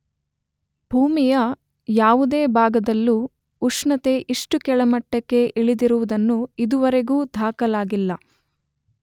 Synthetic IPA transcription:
b̥ʱuːmijɐ | jaːʋud̪e̞ːbʱaːɡɐd̪ɐlːuː | ʂɳɐt̪e̞ʔiʂʈukɛɭɐmɐʈːɐkːe̞ʔiɭid̪iɾuʋud̪ɐnːuid̪uʋɐɾeɡuːd̪ʱaːkɐlaːɡilːɐ

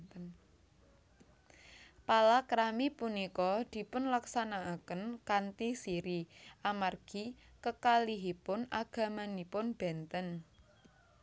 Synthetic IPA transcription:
n | palakɾamipunikɔd̪̥i̤pʊnlaksanaːkənkant̪isiɾiʔamarɡ̥i̤kəkaliɦipʊnaɡ̥a̤manipʊnb̥ɛ̤nt̪ən

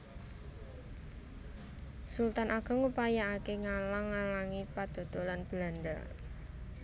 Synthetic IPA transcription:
sult̪anʔaɡ̥ə̤ŋupajaːkeŋalaŋalaŋipad̪̥ṳd̪̥ulanb̥la̤nɖ̪a̰

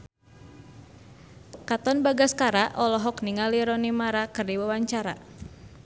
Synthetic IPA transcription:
kat̪ɔnbaɡaskaɾaʔɔlɔɦɔkniŋaliɾɔnimaɾakɨrdiwawaɲt͡ʃaɾa̰

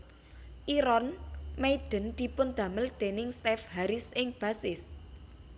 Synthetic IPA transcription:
ʔiɾɔnmaiɖ̪̥ə̤nd̪̥i̤pʊnd̪̥ä̤mɪld̪̥e̤nɪŋst̪ɛfhaɾɪsɪŋb̥asɪs

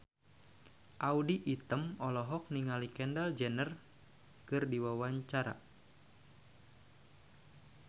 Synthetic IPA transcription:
ʔaudiʔːt̪əmɔlɔɦɔk̚niŋalikɛndald͡ʒɛnər | kɨrdiwawaɲt͡ʃaɾa̰

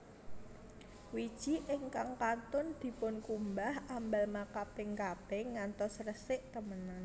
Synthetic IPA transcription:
wid̥ʒ̥i̤ʔɪŋkaŋkant̪ʊnd̪̥i̤pʊnkumbahambalmakab̥ɪŋkab̥ɪŋːant̪ɔsrəsɪʔt̪əmənan

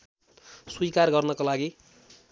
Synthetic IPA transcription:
swikarɡʌrnʌkolaɡi

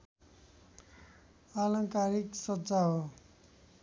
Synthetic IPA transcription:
alʌ̃ŋkaɾiksʌtsaɦo

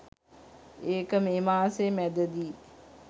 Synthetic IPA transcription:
eːkəmemaːsemæd̪əd̪iː

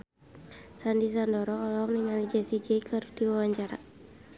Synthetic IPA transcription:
sandis̬andɔɾɔːlɔŋniŋalid͡ʒɛsid͡ʒɛkʰərd̥iwawaɲt͡ʃaɾa̰

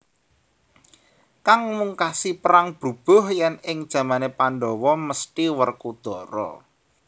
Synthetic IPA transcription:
kaŋmuŋkasipəɾaŋb̥ṳb̥ʊ̤hjɛnɪŋd̥ʒ̥ä̤manepanɖɔwɔməst̪iwərkud̪̥ɔ̤ɾɔ̰

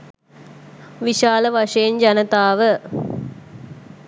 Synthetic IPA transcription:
ʋiʃaːləʋaʂɐjend͡ʒanət̪aːʋə

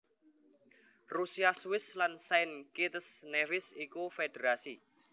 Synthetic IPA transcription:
rusiaswɪslansaɪnkit̪əsnefɪsikufed̥eɾasi

